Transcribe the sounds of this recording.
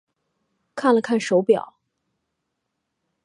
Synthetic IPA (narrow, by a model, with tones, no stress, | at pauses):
kʰa˥˩nlə˩kʰa˥˩nʂo˧˥ʊpjɑ̰˨˩˦